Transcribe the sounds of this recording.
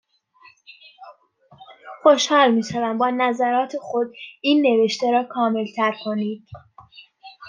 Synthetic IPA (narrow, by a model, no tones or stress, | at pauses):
xo̞ʃhɒːlmiːʃævæmbɒːnæzæɾɒːt̪ʰe̞xo̞d̪̚iːnːe̞ve̞ʃt̪eɾɒːkʰɒːme̞lt̪ʰæɾkʰo̞niːd̪̥